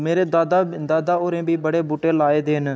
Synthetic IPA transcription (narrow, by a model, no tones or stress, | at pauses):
meːɾeːd̪ad̪aːd̪aːoːɾẽːbʱibəɽeːbuːʈeːlaːeːd̪eːn